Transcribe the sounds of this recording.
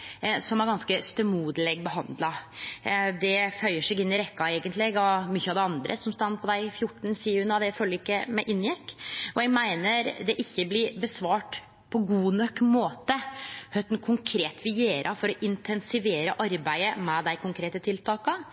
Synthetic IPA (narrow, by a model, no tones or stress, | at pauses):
sɔmæɾɡɑnskəst̪œmuːd̪əlɛɡ̚bəɦɑnd̪lɑ | d̪ɛfœʏəʂɛɡɪnːɪɾɛkːɑeːɡənt̪lɛɡɑmyçːəɑʋd̪ɛɑnd̪ɾʔə̰sɔmst̪ɑnːpʰɔd̪æɪɪfjʊʈːɳ̩siːʉnɑd̪ɛfølːəɾɪkːəmɛʔɪnːjɛkːɔjɛɡmæɪnəɾd̪ɛʔɪçːəblɪɾbəsʋɑːʈ | pʰɔɡuːnœkːmoːt̪əhœt̪nkʰʊŋkʰɾeːt̪ʋɪjeːɾʔɑfɔɾɔʔɪnt̪ʰɛnsɪʋeːɾəʔɑɾbæɪəmɛd̪æɪkʰʊŋkʰɾeːt̪ət̪ʰɪlt̪ʰɑːkə